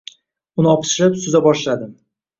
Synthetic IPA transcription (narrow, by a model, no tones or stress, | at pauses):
ʊnɪɒpɪ̥ʃlɪpsʊzabɒʃlad̪ɪm